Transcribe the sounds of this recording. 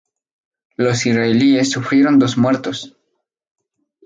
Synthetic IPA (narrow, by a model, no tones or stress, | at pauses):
lo̞sisɾaeliesːufɾiɾond̪osmeɾt̪o̞s